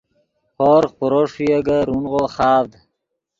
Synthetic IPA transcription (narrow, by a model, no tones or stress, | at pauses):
hoːɾχuɾoʂjeɡaɾunʁoχɑːvd̪